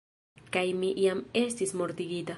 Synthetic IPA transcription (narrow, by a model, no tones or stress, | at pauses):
kajmiʔiamest̪ismoɾt̪iɡid̪a